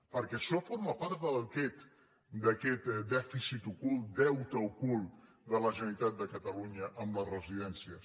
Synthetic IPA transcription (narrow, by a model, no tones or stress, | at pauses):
pəɾkɛʃɔfoɾməpaɾt̪d̪əlkɛt̪ | d̪əkɛt̪d̪ɛfisit̪ukulˠd̪ɛwt̪əukulˠ | d̪ələʒəənit̪at̪̚d̪əkət̪əluɲəʔəmlərəziðɛnsiə